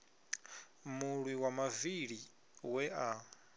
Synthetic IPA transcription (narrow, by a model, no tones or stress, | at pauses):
muɺwiwamaviɺi | wɛʔa